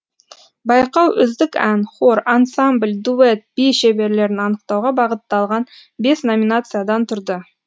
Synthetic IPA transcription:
bɑjqɑwʔʏzd̪ɪkænχoɾansamblʲd̪uet̪̚b̥iʃebe̞ɾle̞ɾɪnɑnəqt̪ɑwʁɑbɑʁət̪ːɑlˠʁɑn | be̞sno̞mʲinat̪sɨjad̪ɑnt̪ʰʊɾd̪ə

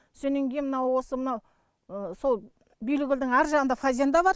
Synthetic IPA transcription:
sɵneŋɡʲejnmənɑwwo̞səmənɑw | so̞lˠ | bijlɪɡʲɪld̪ɪŋæɾʒɑʁənd̪ɑfazʲend̪ɑbɑɾ

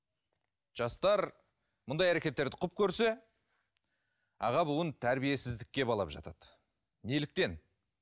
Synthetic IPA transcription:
ʒ̥ɑst̪ɑɾ | mʊnd̪ɑjæɾe̞kʲe̞t̪ːe̞ɾd̪ɪqʰʊp̚kʲʰɵɾse̞ | ɑ̰ʁɑbuwənt̪ʰæɾbije̞sɪzd̪ɪkʲːe̞bɑlˠɑ̰pʒɑ̰t̪ɑd̪̥ | ne̞lɪk̚t̪e̞n

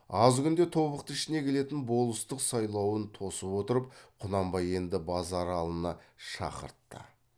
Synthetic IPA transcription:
ɑzkʲʰʏnd̪e̞t̪ʰo̞βəq̚t̪əɪʃɪne̞kʲʰe̞le̞t̪ɪnbo̞lˠəst̪əqsɑjlˠɑwənt̪ʰo̞səpwo̞t̪əɾəp̚qʰʊnɑmbɑje̞nd̪ɪbɑzɑɾɑlˠənɑʃɑ̰qə̰ɾt̪ːə̰

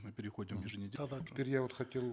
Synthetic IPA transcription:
mɨpʲɪɾʲɪxodʲɪmjɪʐɨnʲɪdʲd̪ʲɪpeɾʲjavot̪χɐtʲe̞lˠ

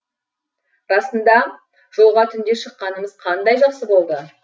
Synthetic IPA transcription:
ɾɑsənd̪ɑ | ʒ̥o̞lˠʁɑt̪ʰʏnd̪e̞ʃəqːɑnəməzqʰɑnd̪ɑjʒɑqsəbo̞lˠd̪ə

